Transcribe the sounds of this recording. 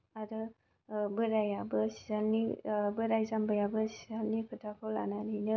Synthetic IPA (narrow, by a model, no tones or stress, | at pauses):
adɯ | bɯɾajabɯsi̥zalnibɯɾajzambɯjabɯsizalnikʰɯtʰakʰɯla̰nanijnɯ